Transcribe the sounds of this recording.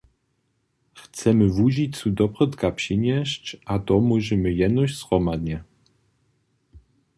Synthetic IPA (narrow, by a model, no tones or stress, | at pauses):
xt̪sɛmɘvuʑit͡sud̪ɔpʁɔt̪kapɕiɲɛɕt͡ɕat̪ɔmuʒɛmɘjɛd̪nɔɕsʁɔmad̪ɲɛ